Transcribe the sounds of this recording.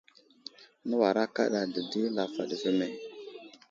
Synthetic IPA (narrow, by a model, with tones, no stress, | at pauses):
nə˦wa˨ɾa˦ka̰˦ɗa˨də˨di˦la˨fa̰˨ɗə˨və˦me˦